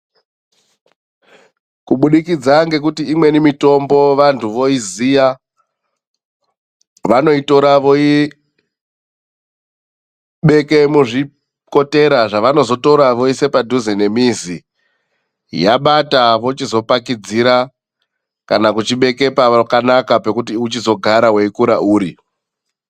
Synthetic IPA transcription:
kuɓuɗikid͡zaŋɡe̞k̬utiːmwe̞nimito̞mbo̞ʋantʰuʋo̞izija | ʋano̞ito̞ɾaʋo̞i | ɓe̞ke̞muʐi | ko̞te̞ɾaʐaʋano̞zo̞to̞ɾaʋo̞ise̞padʱuzenemizḭ | jaɓataʋo̞t͡ʃizo̞pakid͡ziɾa | kanakut͡ʃiɓe̞ke̞paakanakape̞kutiut͡ʃizo̞ɡʱaɾawe̞ikuɾauːɾi

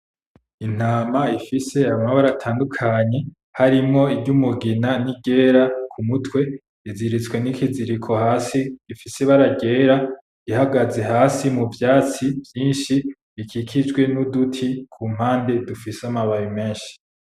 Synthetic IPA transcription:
in̥aːmaifise̞aβamaβaɾatʰaːndukʰaɲe̞ | haɾimŋo̞ibɟumuɡinaniɟe̞ːɾakʰumutwe̞ | iziɾit͡skwe̞nikiziɾikʰo̞haːsiifiseβaɾaɟe̞ːɾa | ihaɡaze̞ɦaːsimuvjaːt͡sivjiːnʃi | ikʰikʰid͡ʒɡwe̞nudutʰikʰuːm̥haːnde̞dufiseamaβajume̞ːnʃi̥

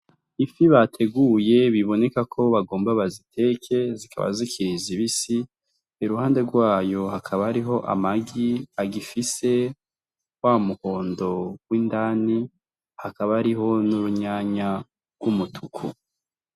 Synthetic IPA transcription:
ifiβatʰe̞ɡuje̞βiβo̞ne̞kakʰo̞βaɡo̞ːmbaβazitʰe̞kʰe̞zikʰa̰βa̰zikʰiiziβisi | eɾuhaːnde̞ɾɡwaːjo̞hakʰaβaɾiɦo̞ʔa̰maɡiaɡifise̞ | wamuko̞ːndo̞ɡ̥wiːndani | hakaβaːɾiɦo̞nuɾuɲaːɲa | ɡ̥wumutʰukʰu

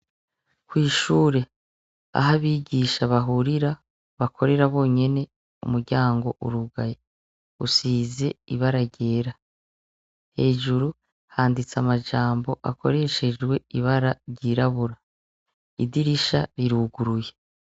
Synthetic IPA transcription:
kwiːʃuːɾe̞ | a̰ɦaβiːɟiʃaβaɦuɾiɾa | βakʰo̞ɾe̞ɾaβo̞ːɲe̞ne̞ | umuɾɟaːŋɡo̞ʔuɾuɡaje | usiːze̞ḭβaɾaɟe̞ːɾa | he̞ːʒuɾu | haːndit͡samaʒaːmbo̞ʔakʰo̞̰ɾe̞ʃe̞d͡ʒɡwe̞iβaɾaɾɟiɾaβuɾa | idiɾiʃa̰ɾiɾuɡuɾuje̞

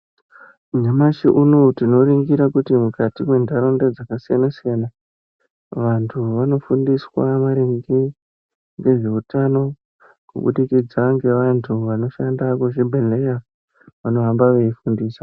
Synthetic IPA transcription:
ɲamaʃiʔuno̞tino̞ɾiŋɡiɾakutimukatimwe̞ndaɾo̞ndad͡zakasijanasijana | ʋantʰuʋano̞fundiswamaɾiŋɡi | ŋɡe̞ʐe̞utano̞ | kṵɓṵɗikid͡zaŋɡe̞ʋantʰuʋano̞ʃandakuʐibʱele̞ja | ʋano̞ɦambaʋe̞ifundiːsḁ

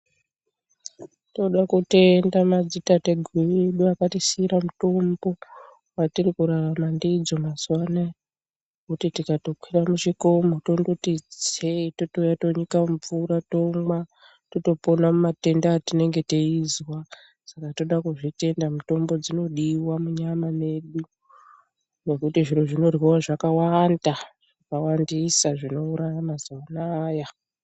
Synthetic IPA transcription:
to̞ɗakute̞ndamad͡zitateɡʱieɗuakatisiiɾamuto̞mbo̞ | watirikuɾaramandid͡zo̞maswana | kutitikato̞kwiramuʐiko̞moto̞ndutid͡zetotujato̞ɲikaɱvurato̞mwa | toto̞po̞namumate̞ndaːtine̞ŋɡe̞teizwa | sakato̞ɗakuʐite̞ndamuto̞mbo̞d͡zino̞ɗiwamuɲamane̞ɗu | ne̞kutiʐiɾoʐino̞rwiwaʐakawandaʐ̥akawandisaʐino̞uɾajamazowanaːja

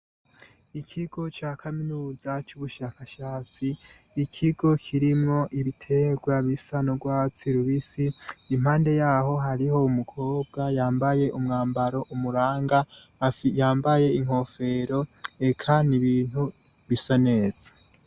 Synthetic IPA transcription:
ikʰiɡ̥o̞t͡ʃaːkʰaminuːzat͡ʃuβuʃaːkaʃaːt͡siː | kʰiɡ̥o̞kʰiɾimŋo̞ʔiβitʰe̞ɡwaβisanoɡwaːt͡siɾuβisiːm̥haːnde̞jaːɦo̞ɦaɾiho̞umukʰo̞ːb̚ɡajaːmbaje̞ʔumŋaːmbaɾo̞ʔumuɾaːŋɡa | jaːmbaje̞iŋ̥ho̞fe̞ɾo̞e̞kʰaniβiːn̥hu | βisane̞ːz̥ḁ

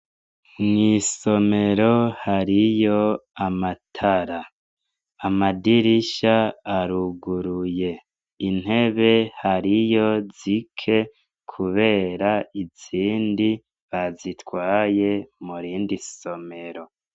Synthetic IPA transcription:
mŋiso̞me̞ɾo̞haɾijo̞amatʰaɾaː | madiɾiʃaːɾuɡuɾuje̞ | in̥e̞βe̞haɾijo̞zikʰe̞ | kʰuβe̞ːɾaiz̥iːndi | βazitwaːje̞muɾiːndiso̞me̞ɾo̞

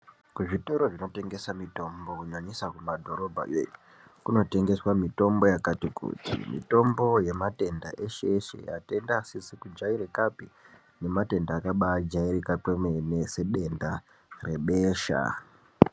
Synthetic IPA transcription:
kuʐito̞ɾoʐino̞te̞ŋɡe̞samito̞mbo̞kuɲaɲisakumadʱo̞ɾo̞bʱa̰jḛɲu | kuno̞te̞ŋɡe̞swamito̞mbo̞jakatikṵtʰḭmḭto̞mbo̞je̞mate̞ndaʔeʃeʃḛja̰te̞ndasisikud͡ʒaiɾekapi | ne̞mate̞ndaːkaɓad͡ʒaiɾekakwemenese̞ɗe̞nda | re̞ɓeːʃa̰

